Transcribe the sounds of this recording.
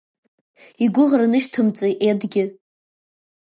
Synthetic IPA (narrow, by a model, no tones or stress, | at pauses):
iɡʷʊʁranɨʃtʰɨmt͡sʼeʔedɡʲɪ